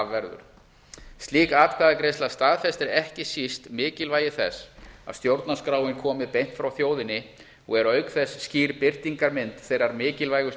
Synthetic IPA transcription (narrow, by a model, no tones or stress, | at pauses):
vːɛɾðʏ̰ɾ̥ | st̪liːkaːt̪kʰvaːðakɾejst̪last̪aːðfɛst̪ɪɾɛhcɪsist̪mɪːcɪlvaːjɪθɛ̰sa̰ðst̪jowɾt̪naskɾaːwɪnkʰɔːmɪpejn̥t̪fɾawθjoːwðɪnːɪ | ɔ̰ɣɛɾœɥkθɛsːciːɾpɪr̥t̪iŋkaɾmɪnt̪θejɾaɾmɪːcɪlvaːjɣʏ